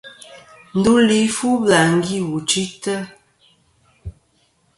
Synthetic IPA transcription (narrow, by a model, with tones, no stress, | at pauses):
n̩˦du˦li˨˦fu˦ba˨ŋ˦ɡi˦wu˨t͡ʃi˦tə˦